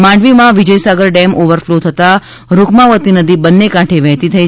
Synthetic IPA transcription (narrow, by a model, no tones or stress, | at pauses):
mãɳɖʋimãʋid͡ʒəjsaɡəɾɖɛmʔoʋəɾflot̪ʰət̪a | ɾukʰmãʋət̪inəd̪ibənːekãʈʰeʋɛɦt̪it̪ʰəi